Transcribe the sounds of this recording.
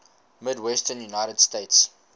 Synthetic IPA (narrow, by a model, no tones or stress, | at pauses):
mɪdwɛstənjunajɾədsteɪts